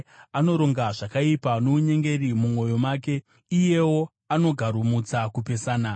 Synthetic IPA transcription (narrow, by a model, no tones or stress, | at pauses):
ano̞ɾo̞ŋɡaʐakaipanouɲe̞ŋɡe̞rimumwo̞jo̞maːke̞ | ije̞wo̞ | ano̞ɡʱaɾumut͡sakupe̞saːna